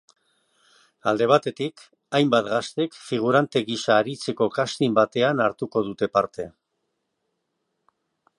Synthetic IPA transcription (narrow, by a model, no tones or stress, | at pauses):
a̰ld̪e̞β̞at̪e̞t̪ik | ajmbat̪ɣast̪ekfiɣ̞uɾant̪e̞ɣisaːɾit͡se̞ko̞kast̪imbat̪e̞anaɾt̪uko̞ðut̪e̞paɾt̪e̞